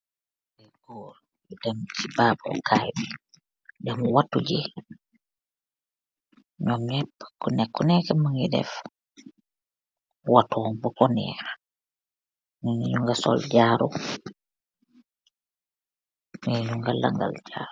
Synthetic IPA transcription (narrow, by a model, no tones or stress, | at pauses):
dɛɡɔɾ | dɛmt͡ʃibaːbɔ̰kʰajbi | dɛmɔwatːud͡ʒɛ | ɲɔmɲɛpːakːɔnɛkːɔnɛkɛmaŋidɛ̰f | watɔmbɔkɔnɛ̰ɾa | miŋiɲuŋɡasɔ̰ld͡ʒaːɾu | miɲuŋɡalːa̰ŋɡa̰ld͡ʒaɾu